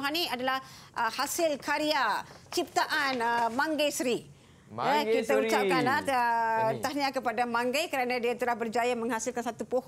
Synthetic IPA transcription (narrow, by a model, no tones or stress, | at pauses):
ɦaniadalahʔəhasɪlkaɾiat͡ʃip̚t̪aʔanmãŋɡajsɾi | əkit̪aut͡ʃapkanat̪ət̪ahɲakəpadamãŋɡajkəɾanãdiat̪əlahbərd͡ʒajamə̃ŋɦasilkansat̪upoh